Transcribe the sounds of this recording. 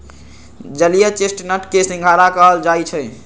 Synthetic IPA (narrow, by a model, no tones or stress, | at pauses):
d͡ʒəlijət͡ʃesʈnəʈkesĩŋɡʱaɾakəɦəld͡ʒajt͡ʃʰə